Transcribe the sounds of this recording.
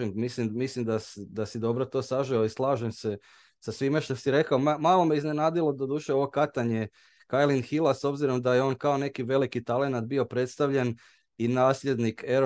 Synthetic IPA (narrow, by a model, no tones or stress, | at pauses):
immislimmislimd̪asd̪asid̪o̞bɾo̞t̪o̞ːsaʒioislˠaːʒemse | sasʋimaʃt̪osiɾe̞kaomamaːlˠo̞meiznenaːd̪ilˠo̞d̪od̪uːʃeo̞ʋo̞kat̪aɲe̞ | kajlinxilˠaso̞bziɾo̞md̪ajeo̞ːnkaone̞kiʋe̞likit̪ale̞nat̪̚bio̞pɾe̞t̪st̪aʋʎe̞n | inaːsʎʲe̞d̪nikeɾ